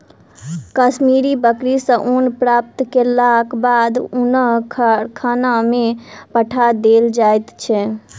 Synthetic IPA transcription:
kəsmiɾibəkɾisə̃ʔunpɾap̚t̪kelakbad̪unəkʰanamepəʈʰad̪eld͡ʒajt̪t͡ʃʰɛ

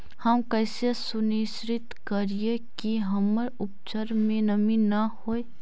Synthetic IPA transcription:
həmkəːsesʊnisɾɪt̪kəɾiekiɦəməɾʊp̚t͡ʃəɾmẽnəminɐhoːe

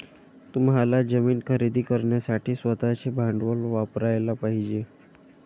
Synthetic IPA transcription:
t̪umɦalad͡ʑəmiːnkʰəɾid̪iːkəɾɳjasaʈʰiːsʋət̪at͡ɕebʱaɳɖʋəlʋapɾajlapaɦid͡ʑe

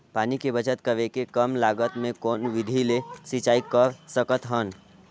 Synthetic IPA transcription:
paːnikebət͡ʃət̪kɐʋekekəmlaːɡət̪mẽkɔːnʋɪd̪ʱilesit͡ʃaːikəɾsəkət̪ɦən

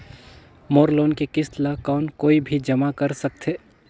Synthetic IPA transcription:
moːɾloːnkekɪslakɔːnkoːibʱid͡ʒɐmakɐɾsɐk̚t̪ʰɦeː

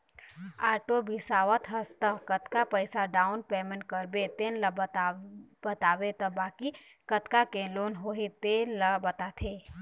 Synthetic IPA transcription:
aːʈobɪsaːʋət̪ɦəst̪əkət̪kapəɪsaɖaːʊnpeːmə̃ɳʈkəɾbet̪eːnlɐt̪bɐt̪aːʋet̪ɐbaːki | kət̪kakẽloːnɦoːɦet̪enləbɐt̪at̪ʰeː

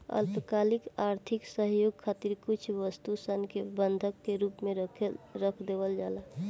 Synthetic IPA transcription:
ə̰lpəkaːlikaːɾt̪ʰiksəɦjoːɡkʰːaːt̪iɾkut͡ʃʰʋəst̪usənkebənd̪ʱəkːeɾuːpmẽɾəkʰd̪eʋəld͡ʒaːla

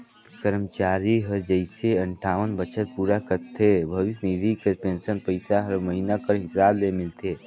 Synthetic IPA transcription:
kəɾmt͡ʃaːɾiɦəd͡ʒəɪseə̃ɳʈʰaːʋənbət͡ʃʰət̪̚puːɾakəɾt̪ʰebʱəʋɪsnid̪ʱikepẽnsənpəɪsaɦəɾməɦinakəɾɦɪsaːblemɪlt̪ʰeː

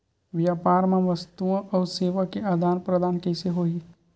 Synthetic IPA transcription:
ʋjaːpaːɾmãʋəst̪uãʔɔːɾseːʋakeaːd̪ʱaːnpɾəd̪aːnkɛɪseɦoːi

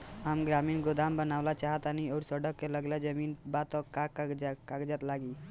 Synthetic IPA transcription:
amɡɾaminɡod̪ambənawlat͡ʃaɦət̪aniɔːɾsəɖəkːeləɡled͡ʒəminbat̪ɔkakkakd͡ʒat̪laɡi

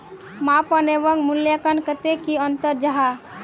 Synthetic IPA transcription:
mapəneʋəŋɡmuljəkənkət̪ekiənt̪əɾd͡ʒaɦa

